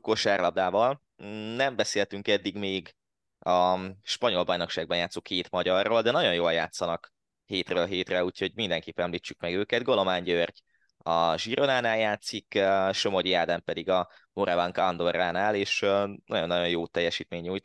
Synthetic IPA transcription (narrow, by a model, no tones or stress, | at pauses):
koʃɛrlɒbd̪aːvɒl | nɛmbɛseːlt̪yŋkɛd̪ːiɡmeːɡ | ɒʃpɒɲo̞lbɒjno̞kʃaːɡ̚bɒnjaːt̪sokʰːeːt̪mɒɟɒrːold̪ɛnɒɟo̞njoːlja̰ːt̪sːɒnɒk | heːt̪røːlɦeːt̪rɛuːcho̞ɟmind̪ɛŋkeːpːɛnɛmliːt͡ʃːukmɛɡøːkɛd̪ɡo̞lo̞maːɲɟørɟ | ɒʒiɾonaːnaːljaːt̪sikøʃo̞modijaːd̪ɛmpɛd̪iɡɒmoɾɛvɒŋkɒnd̪o̞raːnaːleːʃnɒɟo̞nːɒjo̞jjoːt̪ɛjːɛʃiːt̪meːɲːuːjt̪